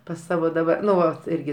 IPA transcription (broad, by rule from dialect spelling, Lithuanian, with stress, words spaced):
pɐs ˈsɑːʋoː dɐˈbɐ ˈnʊ ˈʋɐt ˈɪrʲɡʲɪ